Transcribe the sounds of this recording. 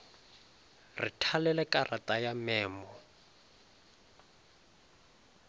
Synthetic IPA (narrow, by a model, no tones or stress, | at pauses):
ritʰalɛlɛkʼarʔatʼajamɛːmɔ